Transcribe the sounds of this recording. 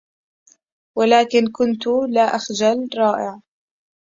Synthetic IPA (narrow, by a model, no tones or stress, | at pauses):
walaːkɪnkʊnt̪ʊlaːʔaxd͡ʒalɾˤɑːʔɪʕ